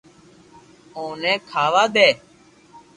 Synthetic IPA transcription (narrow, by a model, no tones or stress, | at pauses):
õːnɛ̃ːkʰaːʋaːd̪eː